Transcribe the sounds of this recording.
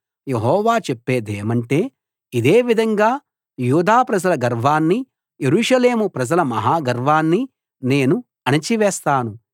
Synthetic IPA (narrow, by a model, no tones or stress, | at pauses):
je̞ɦɔːʋaːt͡ʃepːe̞ːd̪eːmɐɳʈe̞ː | id̪eːʋid̪ʱɐŋɡaː | juːd̪aːpɾɐd͡ʒɐlɐɡɐɾʋaːnːi | jeɾuːʂɐle̞ːmupɾɐd͡ʒɐlɐmɐɦaːɡɐɾʋaːnːi | ne̞ːnu | ɐnɐt͡ʃiʋɛːst̪aːnu